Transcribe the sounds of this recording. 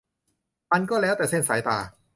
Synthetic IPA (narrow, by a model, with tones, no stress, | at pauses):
ʔa˧nkɔː˥˩lɛː˦˥wt̪ɛː˨˩se˥˩nsaː˩˦jt̪aː˨˩